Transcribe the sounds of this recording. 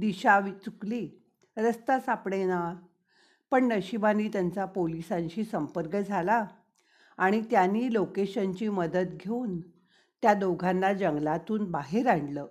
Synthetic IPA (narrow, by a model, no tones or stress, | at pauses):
d̪iɕaʋit͡sukliː | ɾəst̪asapɽena | pəɳnəɕibaniːt̪jant͡sapolisãɲɕiːsəmpəɾkəd͡zʱalaː | ɽ̃it̪janiːlokeɕəɲt͡ɕiːməd̪ət̪ɡʱeuːn | t̪jad̪oɡʱãnːad͡ʑəŋɡlat̪uːnbaɦeɾaɳɖləː